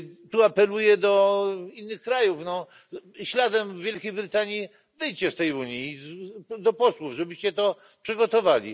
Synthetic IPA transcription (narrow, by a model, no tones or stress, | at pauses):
t̪uapɛlujɛd̪ɔinːɘxkɾajufnɔ | ɕlad̪ɛmvʲjɛlkʲejbɾɘt̪aɲji | vɘjt͡ɕɛst̪ɛjuɲji | d̪ɔpɔswuvʐɛbɘɕt͡ɕɛt̪ɔ | pʂɘɡɔt̪ɔvalʲḭ